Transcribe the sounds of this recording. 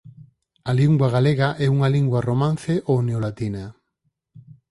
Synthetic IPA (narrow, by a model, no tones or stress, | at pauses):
aliŋɡwaɣaleɣaʔɛuŋaliŋɡwɐromãn̟θeʔoneolat̪inɐ